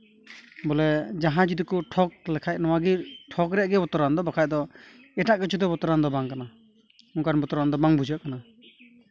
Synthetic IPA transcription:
bɔlɛd͡ʒaɦãd͡ʒid̪ikɔʈʰɔk̚lɛkʰaj̚nɔwaɡiɾʈʰɔkɾɛʔɡɛbɔt̪ɔɾand̪ɔbakʰaj̚d̪ɔ | ɛʈaʔkɛt͡ʃʰud̪ɔbɔt̪ɔɾand̪ɔbaŋkana | ɔŋkanbɔt̪ɔɾand̪ɔbaŋbud͡ʒaʔkana

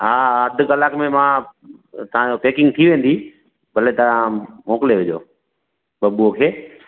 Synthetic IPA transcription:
ɦaːəd̪ʱkəlaːkmẽmã | t̪ɐ̤ãɲopeːkɪ̃ŋɡ̚t̪ʰiʋẽːn̆d̪i | bɐlet̪ɐʋãmoːkɪleʋɪd͡ʑoː | ɓɐbuokʰeː

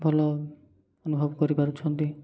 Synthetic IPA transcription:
bʱɔlɔ | onubʱɔbkɔɾipaɾut͡ʃʰɔnt̪i

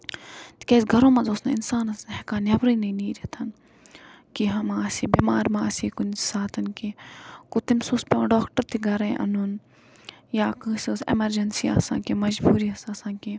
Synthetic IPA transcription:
t̪i̥keːsɡʱɐɾõːmɐ̃zoːsnaɪ̰nsaːnɐsɦekaːnʲɐʋɾiinɐniːɾit̪ʰɐn | kiɦɐmãɐsiːbiːmaːɾmãɐsiːkunsaːt̪ʰɐnkikut̪imsuːspẽɖoːkʈəɾt̪iɡʱɐɾẽʔɐ̰nun | jaːkɨsosḛmɐɾd͡ʒɐnsiɐ̰sã̰ːkemɐd͡ʒbuːɾiːɐsasãːnki

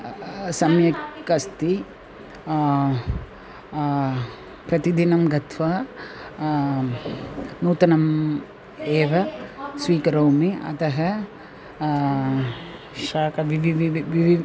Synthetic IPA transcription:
sɐmjɐkɐst̪i | pɾɐt̪id̪inɐmɡɐt̪ʰʋaː | nuːt̪ɐnɐm | eːʋɐsʋiːkɐɾɐwmiɐ̰t̪ɐɦɐ | ʃaːkɐʋiʋiʋiʋi

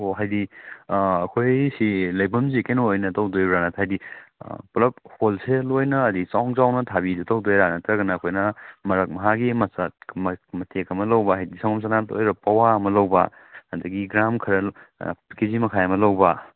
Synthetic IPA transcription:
oɦajdi | ɐkʰojsilɐjbɐmzikenoojnɐtɐwdojɾanɐtʰajdḭplɐp̚holselojnɐːdit͡ʃawŋzawnɐtʰabidɐtɐwdojɾanɐtɾɐɡɐnɐːkʰojnɐmɐɾɐk̚mɐɦaɡimɐsammɐtʰekɐmɐlɐwbaɦajdisaŋoms̬anato̰jɾɐpɐwaɐmɐlɐwba̰ | ɐdɐɡiɡɾamkʰɐɾɐ | kezimɐkʰajɐmɐlɐwba

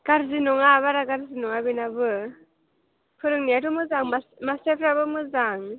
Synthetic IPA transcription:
ɡ̥aɾzinɔŋaβaɾaɡaɾzinɔŋabinabɯ | pʰɯɾɯŋniatumɯzaŋmamasepʰɾabɯmɯzaŋ

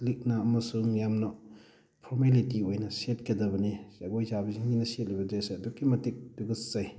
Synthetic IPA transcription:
lik̚nɐɐmɐsuŋjamnɐ | pʰɔɾmelitiojnɐsetkʰidɐbɐniz̥aɡojzabiziŋɡinɐset̚libɐd͡ʒeseɐdukːimɐtik̚duɡɐszaj

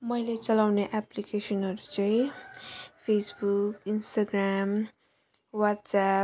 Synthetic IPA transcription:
mʌjlet͡sʌlawneʔaplikesʌnɦʌɾut͡sʌĩ | pʰesbukinst̪aɡram | wat̪sa

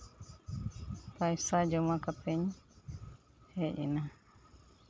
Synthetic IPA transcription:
pajsad͡ʒɔmakapɛɲ | hɛʔɛ̰na

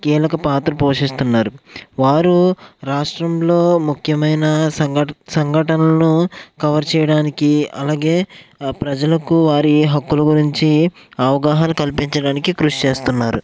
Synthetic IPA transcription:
kiːlɐkɐpaːt̪ɾɐpo̞ːʂist̪unːaːɾuʋaːɾuɾaːʂʈɾɐmlo̞ːmukʰjɐmɐjnɐ | sɐŋɡʱɐʈɐnɐlɐnukɐʋɐɾt͡ʃɛːjɐɽaːnikiɐ̰laːɡe̞ːpɾɐd͡ʒɐlɐkuʋaːɾiɦɐkːulɐɡuɾiɲt͡ʃi | ɐʋɐɡaːɦɐnukɐlpiɲt͡ʃɐɽaːnikikɾuʂi̥t͡ʃeːst̪unːaːɾṵ

